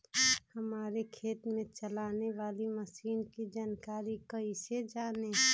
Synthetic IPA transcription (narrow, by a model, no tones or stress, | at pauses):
hɐmaːɾekʰeːt̪mẽt͡ʃəlaːneʋaːliməsiːnkid͡ʒaːnkaːɾikəised͡ʒaːne